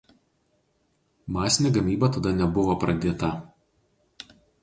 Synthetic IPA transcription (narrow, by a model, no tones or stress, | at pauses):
mɑːsʲɪnʲeːɡɐmʲiːbɐt̪ɐd̪ɐnʲɛbʊʋopɾɐd̪ʲeːt̪ɐ